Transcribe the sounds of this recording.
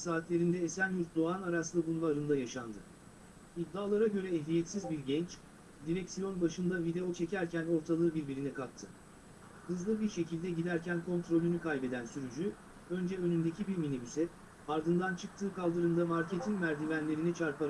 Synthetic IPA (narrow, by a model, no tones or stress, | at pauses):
saːt̪lʲe̞ɾind̪ɛːsænjyzd̪oanaɾaslˠɯbunvaɾɯnd̪ajaʃand̪ɯ | id̪ːaːlˠaɾaɟø̞ɾɛːɦlʲijɛt̪sizbiɾɟɛnt͡ʃ | d̪iɾɛcsijo̞nbaʃɯnd̪avid̪e̞o̞t͡ʃʰe̞cæɾcʰæno̞ɾt̪ʰalˠɯːbiɾbiɾinɛkʰak̚t̪ʰɯ | hɯzlˠɯbiɾʃe̞cilʲd̪ɛɟid̪æɾcænkʰo̞nt̪ɾo̞lʲynykʰajbe̞d̪ænsyɾyd͡ʒy | ø̞nd͡ʒɛø̞nynd̪e̞cʰibiɾminibysɛt̪ | aɾd̪ɯnd̪ant͡ʃʰɯk̚t̪ʰɯːkalˠd̪ɯɾɯnd̪amaɾcʰe̞t̪ʰinmæɾd̪ivænlʲe̞ɾinit͡ʃʰaɾpʰaɾ